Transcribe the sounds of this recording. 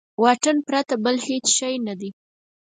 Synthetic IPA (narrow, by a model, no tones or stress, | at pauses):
wɑʈənpɾat̪abəlhet͡sʃajnad̪i